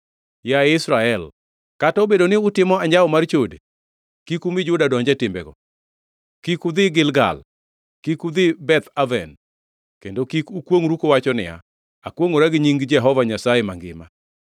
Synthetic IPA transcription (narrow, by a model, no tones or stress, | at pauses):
jaɪsɾaɛl | katɔbedonɪʊtɪmɔaɲd͡ʒaɔmart͡ʃodḛ | kikumɪd͡ʒʊdadɔɲd͡ʒɛtɪmbɛ̰ɡɔ̰ | kikud̪ɪɡɪlɡa̰l | kikud̪ɪbɛt̪avɛ̰n | kendokikukwoŋɾukowat͡ʃɔnɪ̰ja̰ | akwoŋoɾaɡɲiŋɡd͡ʒɛɦɔvaɲasajemaŋɡɪ̰ma̰